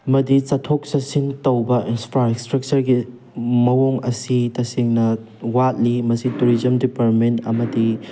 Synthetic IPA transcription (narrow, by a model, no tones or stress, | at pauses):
mɐdit͡ʃɐtʰok̚sɐsintɐwbɐʔinspʰɾaɾekstɾɐk̚t͡ʃɐɾɡi | mɐwoŋɐsitɐseŋnɐ | wat̚limɐsituɾizɐmdipaɾt̚mentɐ̰mɐdi